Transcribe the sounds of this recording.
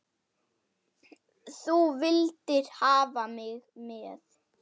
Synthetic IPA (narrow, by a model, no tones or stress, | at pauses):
θuvɪlt̪ɪɾ̥haːvamɪɣmɛθ